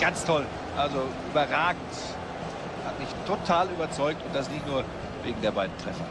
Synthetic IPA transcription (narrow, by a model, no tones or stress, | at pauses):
ɡ̥ant͡stʰɔl | ʔalzoʔyːbɐʁaːɡŋ̩t | hatmɪçtʰotʰaːlyːbɐt͡sɔʏk̚tʊnt̚d̥as̬nɪçtnuːɐ | veːɡŋ̩deːɐbaɪdn̩tʁ̥ɛfɐ